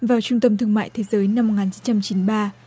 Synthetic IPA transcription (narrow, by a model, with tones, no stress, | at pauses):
vaː˨˩wt͡ɕʊ˧ŋ͡mt̪ə˧mt̪ʰɨ˧əŋma̰ː˧˨jt̪ʰe˨˦zəː˨˦jna˧mː˨˩t̚ŋaː˨˩nt͡ɕi˨˦nt͡ɕa˧mt͡ɕi˨˦nɓaː˧